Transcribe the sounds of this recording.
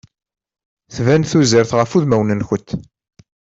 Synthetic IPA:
θvænθuziɾθʁəfuðmæwnənçət̪ː

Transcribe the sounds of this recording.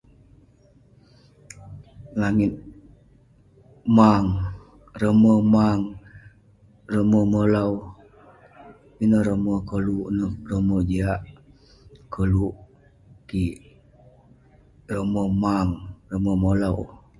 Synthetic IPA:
laŋit̪̚ | maŋ | ɾəməmaŋ | rəməməlaw | inəɾəməkəluʔnərəməd͡ʒiaʔ | kəluʔ | kiʔ | rəməmaŋrəməməlaw

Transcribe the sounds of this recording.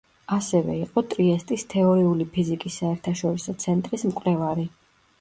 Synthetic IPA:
asɛvɛ̰iqʼɔt̪ʼɾiɛst̪ʼist̪ʰɛɔɾiulipʰizikʼisːaɛɾt̪ʰaʃɔɾisɔt̪sʰɛnt̪ʼɾismkʼlɛvaɾi

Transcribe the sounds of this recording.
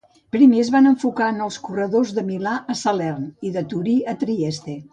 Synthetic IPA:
pɾimezβanəɱfukanəlˠskurəðozðəmilaʔəsalɛrniðət̪uɾiət̪ɾiɛst̪e

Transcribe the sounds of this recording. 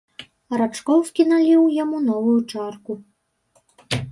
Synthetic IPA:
ɐɾat͡ʂkɔwfkʲinalʲiwjamunɔvujut͡ʂarku

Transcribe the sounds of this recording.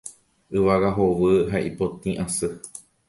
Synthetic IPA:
ɨʋaɡaɦoʋɨɦaʔipot̪ĩʔãsɨ

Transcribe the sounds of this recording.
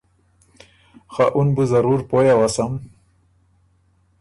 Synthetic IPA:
xaʔunbuzaɾuɾpojawasam

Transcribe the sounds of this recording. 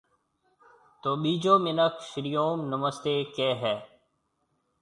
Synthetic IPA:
t̪oːɓiːd͡ʒoːmɪnəkʃɪɾijoːmnəməst̪eːkeːɦɛː

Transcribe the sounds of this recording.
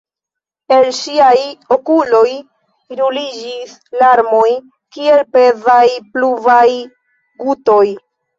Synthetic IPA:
e̞lʃiajo̞kulo̞j | iɾulid͡ʒis | laɾmo̞j | kie̞lpe̞zajpluvaj | ɡuto̞j

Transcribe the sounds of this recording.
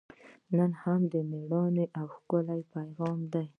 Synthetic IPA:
nənhamd̪əmeɽɑneʔawxkəlajpajɣɑmd̪aj

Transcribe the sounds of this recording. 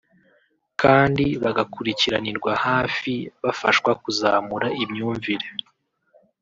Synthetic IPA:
kaːndiβaɡakuɾiciɾaniɾɡwahaːfiβafaʃwakuzaːmuɾaimɲuːɱviɾe

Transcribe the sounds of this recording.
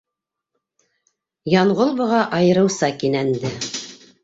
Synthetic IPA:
jɑɴʁolˠbɤ̆ʁɑʔɑjɤ̆ɾɤ̆wsɑkinænd̪ɘ

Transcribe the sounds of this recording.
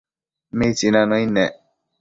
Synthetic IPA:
metinãnɔ̃inɛ

